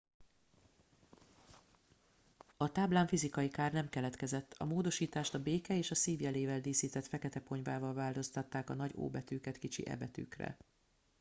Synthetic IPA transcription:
ɒt̪aːblaːɱfizikɒjikaːrnɛmkɛlɛt̪kɛzɛt̪ːɒ̰moːd̪o̞ʃiːt̪aːʃt̪ɒbeːkɛeːʃɒsiːvjɛleːvɛld̪iːsiːt̪ɛt̪fɛkɛt̪ɛpo̞ɲvaːvɒlvaːlt̪o̞st̪ɒt̪ːaːkɒnɒɟo̰ːbɛt̪yːkɛt̪kit͡ʃḭʔɛ̰bɛt̪y̰ːkrɛ̰

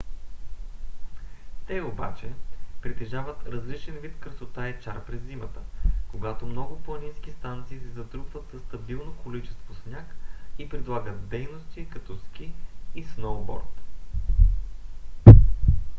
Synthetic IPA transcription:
t̪ɛoba̰t͡ʃɛpɾit̪ɛʒavət̪ɾɐzlit͡ʃɛnvit̪kɾəsot̪ait͡ʃaɾpɾɛzzːimət̪əkoɡat̪omnɔɡʊplˠɐninskist̪ant̪siːsɛzɐt̪ɾupvət̪ːəst̪ɐbilˠnokolit͡ʃɛ̥st̪vosnʲakipɾɛd̪lˠaɡət̪d̪ɛjnost̪ikɐt̪ɔskiːsnɔwbɔ̰ɾt̪

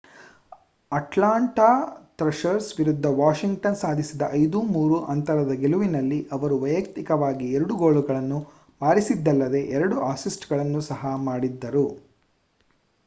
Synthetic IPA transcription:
ɐʈlaːɳʈaːt̪ɾɐʃɐɾsʋiɾud̪ʱːɐʋaːʃiŋɡʈɐnsaːd̪ʱisid̪ɐʔɐjd̪umuːɾuʔɐnt̪ɐɾɐd̪ɐɡeluʋinɐlːiʔɐʋɐɾuʋɐjɐk̚t̪ikɐʋaːɡiɛɾɐɽuɡoːɭuɡɐɭɐnːu | maːɾisid̪ːɐlːɐd̪e̞ʔɛɾɐɽuʔaːsisʈɡɐɭɐnːusɐɦɐmaːɽid̪ːɐɾu

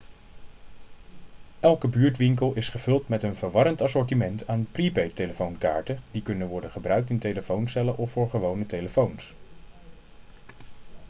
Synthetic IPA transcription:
ʔɛlˠkəbyːɹtʋɪŋkəlˠɪsχəv̥ɵlˠtmɛtənvəɹʋɑɾəntɑsɔɹtimɛntaːnpripejtejləfownka̰ːɹtədikɵnənʋɔɹdənχəbrœɥk̚tɪnteləfownsɛləʔɔfʊːɹχəʋownəteləfowns

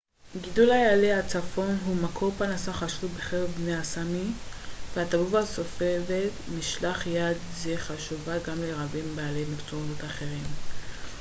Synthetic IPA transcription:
ɡidulajalehat͡safo̞nɦumakʰo̞ʁpanasaχaʃuvbeχeʁevbneasamiveatavuvaso̞fe̞vetmiʃlaχjad | zeχaʃuvaɡamleʁavimbealejmakt͡sojot̪aχe̞ʁim

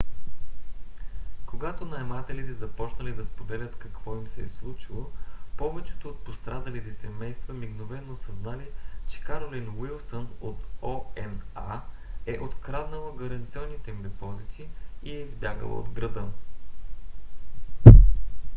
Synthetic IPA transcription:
koɡat̪onɐɛmat̪ɛlit̪ɛzɐpɔt͡ʃnəlid̪ɐspod̪ɛlʲət̪kɐkv̥ɔimsɛ̰slˠut͡ʃilˠopɔvɛt͡ʃɛ̥t̪oːt̪̚post̪ɾʔad̪ɐlit̪ɛsɛmɛjst̪vəmiɡnovɛnosɐznalit͡ʃɛ̥kaɾolinwilˠsonot̪oɛna̰ɛʔot̪kɾad̪nəlˠəɡɐɾɐnt̪sʲiɔnːit̪ɛmɾipɔzit̪ʰiiɛizbʲjaɡə̰lˠə̰o̰d̪ɡɾɐd̪ə

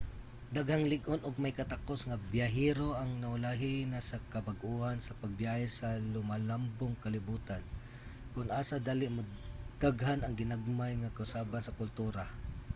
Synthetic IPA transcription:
d̪aɡhaŋlɪɡʔonʊɡ̚majkɐt̪akosŋɐbjaɦɛːɾoʔɐŋnɐʊlaɦɪnasɐkɐbaɡʔuːhansɐpɐɡ̚bjaːhɪsɐlʊmalambʊŋkɐlɪbuːt̪an | kʊnʔaːsad̪aːlɪʔmʊd̪̥aɡɦanɐŋɡɪnaɡ̚majŋakɐʔʊsaːbansɐkʊlt̪uːɾa

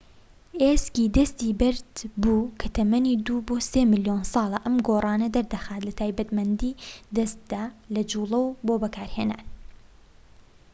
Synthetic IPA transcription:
ʔeskiːd̪ɐst̪ibɐɾd̪buːkʰɐt̪ʰɐmɐnid̪uːboːseːmɨljoːnsˤɑːlˠɐʔɐmɡoːrˤɑːnɐd̪ɐɾd̪ɐxaːt̪lɐt̪ʰaːjbɐt̪mɐnd̪iːd̪ɐst̪̚d̪̥aːlɐd͡ʒuːlˠɐwboːbɐkʰaːɾhḛːna̰ːn

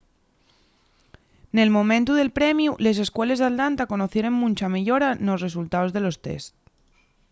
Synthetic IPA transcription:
ne̞lmomẽnt̪uðe̞lpɾemjule̞se̞skwele̞zðat̪lant̪ako̞noθje̞ɾonmũnʲt͡ʃameʎoɾanosre̞sult̪aozðe̞lo̞st̪ḛst̪

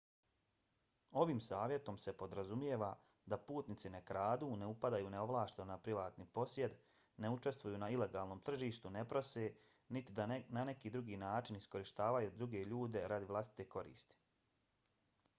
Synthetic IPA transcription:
o̞ʋiːmsaːʋje̞t̪o̞mse̞po̞d̪ɾazumjeːʋa | d̪apuːt̪nit̪sinakɾaːd̪une̞upad̪ajuːneo̞ʋlˠaːʃt̪onnapɾiʋaːt̪nipo̞sje̞d̪ | ne̞ut͡ʃe̞st̪ʋujuːnaile̞ɡaːlno̞ːmt̪r̩ʒiːʃt̪une̞pɾoseː | nit̪id̪ananekiːd̪ɾuɡiːnaːt͡ʃinisko̞ɾiʃt̪aːʋajuːd̪ɾuɡe̞ʎuːd̪e̞ɾad̪iʋlˠast̪i̥t̪e̞ko̞ɾḭːst̪i̥

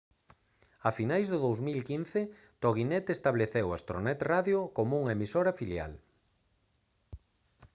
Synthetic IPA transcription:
afinajzðʊðowzmilkin̟θɪ | t̪oɣinɛt̪est̪aβleθewa̰st̪ɾo̰nɛt̪raðjʊkomʊuŋɐemisoɾɐfilja̰l

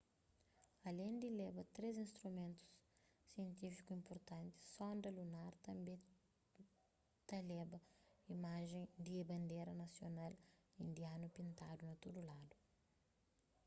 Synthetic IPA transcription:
ɐlẽj̃d̪ilɛbɐt̪ɾezĩst̪ɾumẽnt̪u̥sː | jẽnt̪ifi̥kuĩmpoɾt̪ɐ̃nt̪i̥sɔ̃nd̪ɐlunaɾt̪ɐ | t̪ɐlɛbɐimaʒẽd̪iebɐ̃nd̪ɛɾɐnɐsjonalĩnd̪ianupĩnt̪ad̪unɐt̪od̪ulad̪u

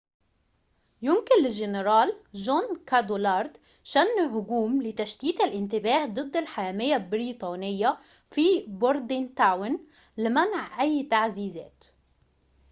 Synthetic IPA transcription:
jʊmkɪnlɪʒɪnɪɾɑːlʒoːnkad̪ulɑɾˤd̪ | ʃanːɦʊɡuːmlɪt̪aʃt̪iːt̪alʔɪnt̪ɪbaːhd̪ˤɨd̪ːɪlħajaːmɪjːalbɾiːt̪ˤɑːnɪjːa | fiːbʊɾd̪ɪnt̪awɪn | lɪmanʕʔajːt̪aʕziːzḛːt̪

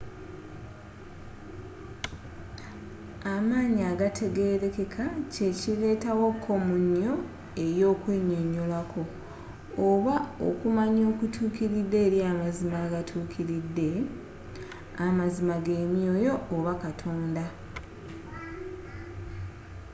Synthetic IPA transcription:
amaːɲiaɡatʰe̞ɡe̞ɾe̞ke̞kʰace̞cile̞ːtawokʰːo̞muɲːo̞ | e̞jo̞ːkweːɲo̞ɲolakʰo̞ː | βao̰kumaɲo̞ːkutʰuːkiɾidːe̞ːɾiamazimaɡatʰuːkʰiɾidːe̞ | amazimaɡe̞ːmjo̞ːjo̞ːβakatʰo̞ːnda

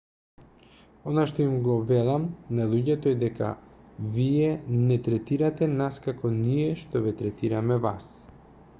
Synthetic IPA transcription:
ɔnaʃt̪ɔimɡɔvɛlˠamnalˠuɟɛt̪ɔɛd̪ɛka̰ | viɛnɛt̪ɾɛt̪iɾat̪ɛnaskakɔniɛʃt̪ɔvɛt̪ɾɛt̪iɾamɛvas

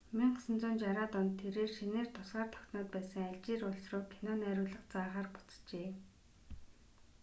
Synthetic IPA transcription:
miŋχsə̆nt͡sʊːnt͡ɕjaɾaːt̪ʊnt̪ʰːeɾeːrʃineːrt̪ʰʊsɢaːrt̪ʰɔ̥kt̪nɔːt̪̚pæːsə̆ŋæɮt͡ɕeːrʊɮsrʊːkʰenɔːnæɾʲʊːɮə̆χt͡saːʁaːrpʊt͡st͡ɕeː

